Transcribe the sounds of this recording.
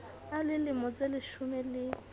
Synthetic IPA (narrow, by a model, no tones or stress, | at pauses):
alɪlɪmɔt͡selɪʃʊmɛlɪ